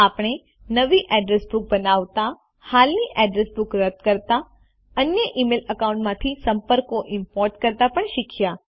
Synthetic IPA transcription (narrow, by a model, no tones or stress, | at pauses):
apɳ̃e | nəʋiʔɛɖɾesbuk̚bənaʋt̪a | halniʔɛɖɾesbukɾət̪kəɾt̪a | ənjəʔimeləkaũɳʈmãt̪ʰisəmpəɾkoʔɪmpɔɾʈkəɾt̪apəɳʃɪkʰja